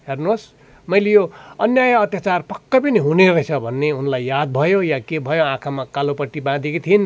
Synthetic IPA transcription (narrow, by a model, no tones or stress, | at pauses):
ɦernus | mʌjlejoʌnjajʌːt̪jat͡sarpʌkːʌpʌniɦuneɾʌt͡sʰʌbʱʌnːeunlajːad̪̚bʱʌjojakebʱʌjoãkʰamakalopʌʈːibãd̪ekit̪ʰin